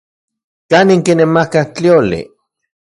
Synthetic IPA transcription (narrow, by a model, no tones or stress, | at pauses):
kaniŋkinemakaht͡ɬiolḭ